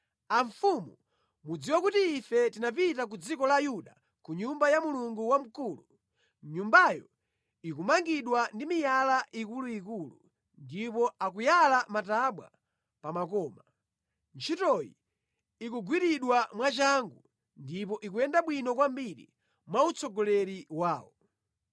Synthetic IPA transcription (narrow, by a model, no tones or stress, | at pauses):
aɱfumu | mud͡ziwakutiːfɛtinap̬itak̬ud͡zikɔlaːjuɗa | kuɲumbajamuluŋɡuwam̩kuːlu | ɲumbajɔ | ikumaŋɡiɗwandimijalaʔikuluikulṵ | ndipɔakujalamataɓwa̰ | pamak̬ɔːma | nt͡ʃʰitɔjḭ | ikuɡwiɾiɗwamwat͡ʃaŋɡu | ndip̬ɔʔikujɛndaɓwinɔkwambiɾḭ | mwaut͡sɔɡɔlɛɾiwaːwɔ